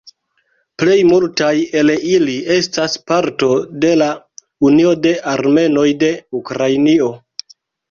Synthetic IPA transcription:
ple̞jmultaje̞lilie̞staspaɾto̞de̞la | unio̞de̞ʔaɾme̞no̞jde̞ukɾajnio̞

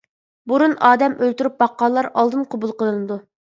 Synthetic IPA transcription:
buɾunɑːd̪ɛmʔølt̪uɾyp̚bɑqːɑːlˠːɑɾɑlˠd̪ɨnqʰobulˠqəlˠɨnɨd̪u

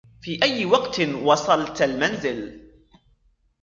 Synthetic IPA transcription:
fiːʔajːɪwɑqt̪wɑsˤɑlt̪almanzɪl

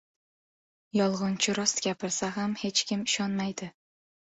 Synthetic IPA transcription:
jɒlˠʁɑnt͡ʃʰɪɾʊst̪ɡʲapɪɾsaɦamhe̞t͡ʃkʲɪmɪʃɒnmajd̪ɪ

